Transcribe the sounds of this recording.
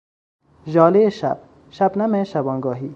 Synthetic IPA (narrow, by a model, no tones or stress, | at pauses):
ʒɒːleeʃa̰b̚ | ʃabnameʃabɔːŋɡɒːɦiː